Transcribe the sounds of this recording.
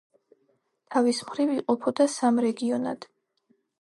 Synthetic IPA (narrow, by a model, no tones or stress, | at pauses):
t̪ʰavismχɾiviqʼɔpʰɔd̪asamɾɛɡiɔna̰d̪̥